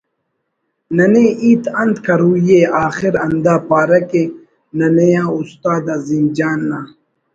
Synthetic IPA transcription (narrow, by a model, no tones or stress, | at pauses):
nɐneʔiːt̪ɐnd̪kʰɐɾuːjeaːxiɾɐnd̪aːpaːɾɐke | nɐnejãːust̪aːd̪azind͡ʑaːnːaː